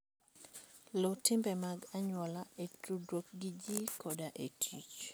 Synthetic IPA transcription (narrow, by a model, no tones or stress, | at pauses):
lotɪmbɛmaɡaɲwɔlaetɾudɾok̚ɡid͡ʒikʰɔdaʔetʰit͡ʃ